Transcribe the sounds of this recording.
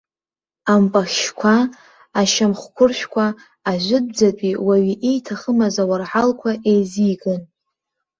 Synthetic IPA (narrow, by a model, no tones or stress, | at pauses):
ampʼaxʲʃkʷʰaː | ʃamχkʷʰʊrʃᶣkʷʰaː | ʒʷɪd̚d͡zapʼiwaɥiʔejtʰaχəmazawarħalkʷʰaʔejzijɡʼɨn